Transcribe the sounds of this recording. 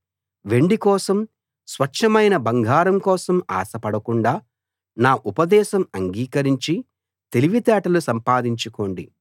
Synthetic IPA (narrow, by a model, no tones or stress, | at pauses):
ʋe̞ɳɖikɔːsɐm | sʋɐʈʂɐmɐjnɐbɐŋɡʱaːɾɐmkɔːsɐma̰ːsɐpɐɽɐkuɳɖaː | naːʔupɐd̪ɛːʃɐmɐŋɡiːkɐɾiɲt͡ʃi | t̪e̞liʋit̪ɛːʈɐlusɐmpaːd̪iɲt͡ʃuko̞ːɳɖi